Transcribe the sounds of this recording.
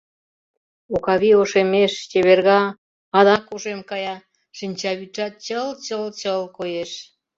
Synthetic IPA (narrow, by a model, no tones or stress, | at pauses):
okɑβioʃemeʃt͡ɕeβerɣɑː | d̪ɑkoʒemkɑjɑ | ʃinʲt͡ɕɑβyt͡ʃɑt̪̚t͡ɕəlt͡ɕəlt͡ɕəlkojeʃ